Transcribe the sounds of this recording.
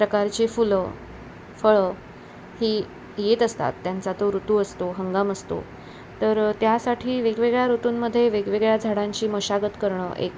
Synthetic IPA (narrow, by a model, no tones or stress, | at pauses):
pɾəkaɾt͡ɕefulə | fəɭə | hiː | jet̪əst̪a̰t̪ːjant͡sat̪oɾut̪uəst̪oɦəŋɡaməst̪o̰ | t̪əɾt̪jasaʈʰiːʋeɡʋeɡɭjaɾot̪uːnməd̪ʱːjeʋeɡʋeɡɭjad͡zʱaɽãɲt͡ɕiːməɕaɡət̪kəɾɳə̰ʔḛk